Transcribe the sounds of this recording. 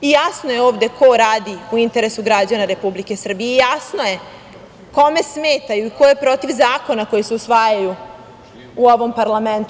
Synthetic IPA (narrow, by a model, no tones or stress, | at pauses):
ijasno̞je̞oːʋd̪e̞kʰo̞ɾaːd̪iuint̪e̞ɾe̞suɡɾad͡ʑanaɾe̞publike̞sr̩bijeijasno̞je̞ | ko̞me̞smeːt̪ajuiko̞jepɾo̞t̪iʋzaːko̞nako̞jiseusʋaːjaju | uo̞ʋo̞mpaɾlament̪u